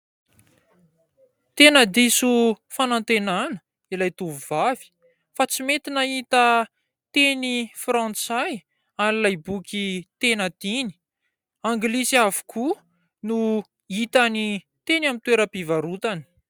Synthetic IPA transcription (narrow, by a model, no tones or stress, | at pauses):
t̪enəd̪isu | fanant̪enanə̥ | ilajt̪uvuvavi̥ | fat͡simet̪inəit̪ə | t̪enifrãnt͡saj | anilajbukʲit̪enəd̪̥ini̥ | aŋɡlisavu̥kʰu | nu | it̪ani | t̪enamint̪weɾəpivaɾut̪ani̥